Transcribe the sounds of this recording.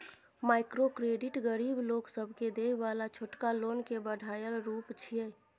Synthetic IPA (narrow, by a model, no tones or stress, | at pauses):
majkɾokɾeɖiʈɡəɾibloksəbʱked̪eʋalat͡ʃʰoʈkalonkebəɽʱajəlɾupt͡ʃʰiɛ